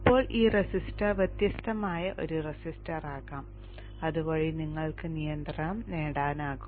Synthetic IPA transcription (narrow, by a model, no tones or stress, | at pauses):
ipːo̞ːɭiːresistɐʋjɐt̪jɐst̪ʰɐmaːjɐʔo̞̰ɾuresistɐraːɣaːm | ɐðuboɐːɻiniŋːɐɭkɨnijɐnd̪rɐmneːɽaːnaːɣu